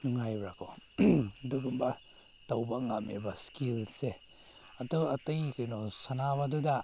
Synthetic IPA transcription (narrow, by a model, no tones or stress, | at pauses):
ŋajbɾako | duɡumba | tawbaŋamʔḛbaskilse | at̪ɔat̪ɯjkɯjnɔsanaβaduda